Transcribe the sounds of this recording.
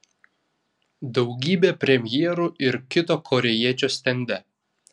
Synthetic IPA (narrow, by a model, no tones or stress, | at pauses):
d̪ɒʊɡʲiːbʲeːpʲɾʲɛmʲjiɛɾuɪɾkʲɪt̪oːkʰɔɾʲɛjiɛt͡ʃʲoːsʲt̪ʲɛnʲd̪ʲɛ